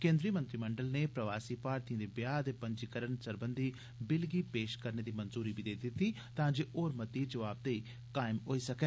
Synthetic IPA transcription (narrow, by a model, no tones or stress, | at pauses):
kẽːnd̪ɾiːəmə̃nt̪ɾiːməɳɖəlneːpɾəʋaːsiːpaːɾt̪ijə̃d̪eːbjaːd̪eːpəɲd͡ʒiːkəɾənsəɾbənd̪iː | bɪlɡiːpeːʃkəɾneːd̪iːmənzuːɾiːbʱiːd̪eːd̪ɪt̪iː | t̪ãːd͡ʒeːʔoːɾmət̪iːd͡ʒəʋaːb̚d̪eiː | kaːɪmɦoːiːsəkɛː